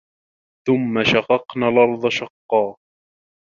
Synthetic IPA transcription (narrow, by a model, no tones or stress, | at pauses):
θʊmːaʃɑqɑqnaːlʔɑɾˤd̪ˤɑʃɑqːɑː